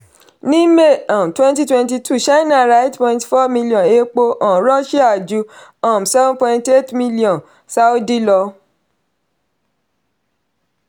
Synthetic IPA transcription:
nĩ˦me˦˨ã˨m˨twɛ̃˦nti˦twɛ̃˧nt̬i˧tʰu˦˨ʃa˦na˦˨ɾa˦i˦tpɔ̃˧ĩntfɔ˦mĩ˦li˨ɔ̃˨e˧˦k͡po˧ʔɔ̃˨ɾɔ˦ʃi˦a˦˨d͡ʒu˨˦ã˨m˨sɛ˦vɔ̃˦pɔ̃˧ĩ˧nte˦tmĩ˦li˦ɔ̃˨n | sa˦o˦di˦lɔ˧

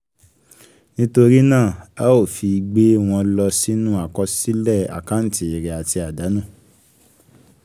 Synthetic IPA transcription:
nĩ˦to˧ɾi˦nãː˦˨a˦o˦˨fi˧ɡ͡be˦w̃ɔ̃˧lɔ˧si˦nũ˦a˦˨kɔ˧si˦lɛ˦˨a̰˨ka˨˦n̩˦ti˨i˨ɾɛ˨a˨ti˧a˨da˨˦nũ˦˨

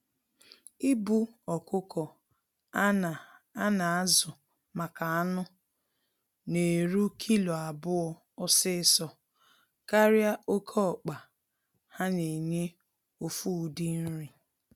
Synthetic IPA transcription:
i˦bu˦ɔ˨kʊ˦kʰɔ˨ | a˦˨a˦na˨a˦zʊ˨ | ma˨ka˨a˦nʊ˦ | ne˨ɾu˦kʰi˦lo˨a˨bʊ˦ɔ˦ | ɔ˦sɪ˦ɪ˦sɔ˨ | ka˦ɾja˦ʔo˦kʰɔ˦ɔ˨k͡pa˨ | ha˦ne˨ɲe˦ | o˨fu˦˨di˦n̩˦ɾi˨

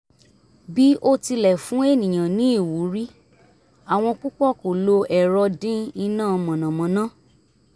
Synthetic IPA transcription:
bi˦ʔo˦ti˧lɛ˨fũ˨˦e˦˨nĩ˨j̃ã˨nĩ˨˦i˦˨wu˨˦ɾi˦ | a˨w̃ɔ̃˧k͡pu˦k͡pɔ˦˨ko˨lo˧ɛ˨ɾɔ˧dĩ˦i˧nãː˦˨˧mã˨nã˨mã˨˦nã˦

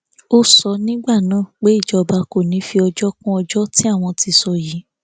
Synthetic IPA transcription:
o˧sɔ˧nĩ˦ɡ͡ba˦˨nãː˨˦˨k͡pe˦i˦˨d͡ʒɔ˧ba˧ko˦˨nĩ˨˦fi˧ɔ˧d͡ʒɔ˦kũ˦ɔ˧d͡ʒɔ˦tĩ˦a˦˨w̃ɔ̃˧ti˧sɔ˧˨ji˨˦

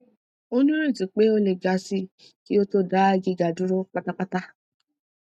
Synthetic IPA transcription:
o˦nĩ˦ɾi˦˨tu˨k͡pe˨˦o˦le˨ɡa˨˦si˦˨ | ki˦o˦to˦da˨˦ɡi˧ɡa˨du˨˦ɾo˦k͡pa˦ta˦k͡pa˦ta˦

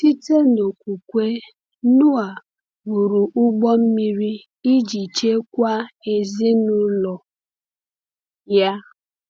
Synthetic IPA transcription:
ti˦te˦no˨kʷu˨kʷe˦ | nʊ˦a˨ | bu˨ɾu˨ʔʊ˦ɡ͡bɔ˦m̩˦mi˦ɾi˦ | i˦d͡ʒi˨t͡ʃe˦kʷa˦e˨zi˦nʊ˦lɔ˨ | ja˦

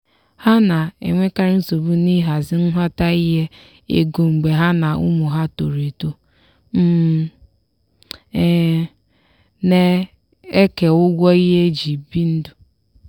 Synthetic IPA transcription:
ha˦na˨ḛ˨ŋʷe˦ka˦ɾɪ˦n̩˦so˨bu˦ni˦ɦa˨zɪ˦n̩˦ɦʷa˦ta˦i˦ɦe˦ | ḛ˨ɡo˨ŋ͡m̩˨ɡ͡be˨ɦa˦na˨ʊ̰˦mʊ˨ɦa˦to˨ɾi˨to˦ | m̩˦˨ | ne˦ | e˦ke˨ʊ˦ɡʷɔ˦i˦ɦe˦d͡ʒi˨bi˦n̩˦dʊ˨

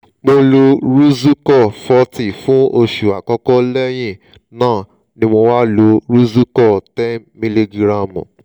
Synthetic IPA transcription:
mo˧lo˧ɾu˦zu˦kɔ˦˨fɔ˧˦ti˨fũ˨˦o˧ʃu˨a˨kɔ˦kɔ˦lɛ˦j̃ĩ˦˨ | nãː˦˨ | nĩ˧˦mo˧wa˦lo˨˧ɾu˦zu˦kɔ˦˨tɛ˦nmĩ˧li˧ɡi˨ɾã˨mṵ̃˨

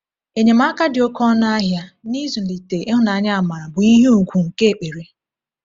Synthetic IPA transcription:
e˨ɲe˨ma˦ka˦dɪ˨o˦kɔ˦na˦a˦ɦja˦ni˦zu˨i˨te˨ʔe˦ɦʊ˦na˨a˨˦ɲa˦a˨ma˨ɾa˨bʊ˨i˦ɦe˦u˨ɡʷu˨ŋ̩˨ke˦e˨k͡pe˨ɾe˦

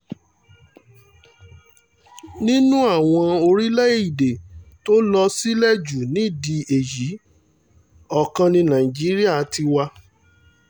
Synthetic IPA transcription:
nĩ˦nũ˦a˦˨w̃ɔ̃˧o˧ɾi˦lɛ˦e˦˨i˨de˨to˦lɔ˧si˦lɛ˦˨d͡ʒu˨nĩ˨˦˨di˧e˨ji˨˦ | ɔ˦˨kã˧nĩ˧nã˨ĩ˨d͡ʒi˨˦ɾi˦a˦˨˦tʰi˧wa˧

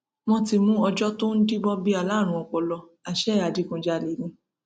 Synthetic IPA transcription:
mɔ̃˧ti˧mũ˦ɔ˧d͡ʒɔ˦to˦n̩˦di˦bɔ˦bi˦a˨la˨˦˨ɾ̃ũ˧˨ɔ˧˨k͡pɔ˨˧lɔ˧ | a˨ʃɛ˦a˨di˨˧kũ˧d͡ʒa˧le˨˦nĩ˧

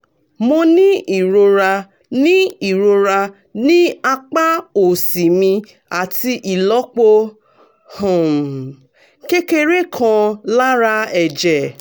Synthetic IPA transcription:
mo˧nĩ˦ʔi˨ɾo˧ɾa˧ | nĩ˦i˨ɾo˧ɾa˧ | nĩ˦a˧k͡pa˦o˨si˨mĩ˧ | a˨ti˧ʔi˨lɔ˨˦k͡po˧ | hõ˨ | ke˦ke˦ɾe˦kʰɔ̃˧la˦ɾa˧ɛ˨d͡ʒɛ˨

